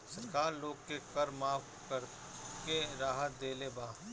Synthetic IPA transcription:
sɐɾkaːɾloːɡkekɐɾmaːf | kəɾ | keɾaːɦət̪̚d̪eːlebaː

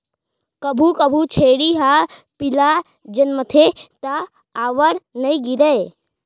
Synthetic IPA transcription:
kəbʱukəbʱut͡ʃʰeːɽiɦa | pɪla | d͡ʒənmət̪ʰet̪a | aːʋəɾnɐĩɡiɾəe

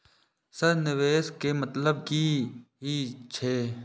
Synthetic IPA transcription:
sɐɾnɪʋeːskemɐt̪ləb̚kiɦit͡ʃʰeː

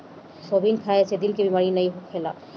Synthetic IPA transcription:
sɔbinkʰajasɛd̪ilkebimaɹinajɦɔkʰːɛla̰

